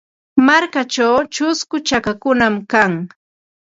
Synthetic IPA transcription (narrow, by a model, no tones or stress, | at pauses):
maɾkat͡ʃawt͡ʃʊskʊt͡ʃakakʊnamkaŋ